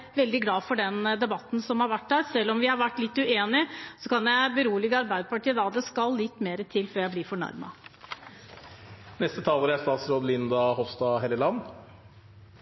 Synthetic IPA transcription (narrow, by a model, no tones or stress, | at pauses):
ʋɛld̪ɪɡlɑːfɔɖɛnd̪ɛbɑt̪ːn̩sɔmhɑɾʋæʈːd̪æɾsɛlːɔmʋɪhɑɾʋæʈːlɪt̪ːʉeːnɪsɔkʰɑnjæɪbəɾuːlɪɡɑɾbæɪd̪əpɑʈiːəd̪ɑːd̪ɛskɑlːɪt̪ːmeːɾət̪ʰɪlːføːɾjæɪblɪːɾfɔɳɑ̰ɾmɑ̰ | nɛst̪ət̪ʰɑːləɾæst̪ɑːt̪sɾoːd̪lɪnd̪ɑhɔfst̪ɑɦɛləlɑnː